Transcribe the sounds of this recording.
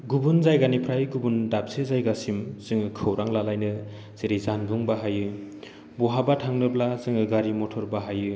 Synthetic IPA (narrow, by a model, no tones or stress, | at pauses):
ɡubunzajɡanipʰɾajɡubundap̚sezajɡasimz̥ɯŋɯkʰɯwɾaŋlalajnɯ | z̥eɾizanbuŋbaɦajɯ | buɦabatʰaŋnɯblazɯŋɯɡaɾimɔtʰɔɾbaɦajɯ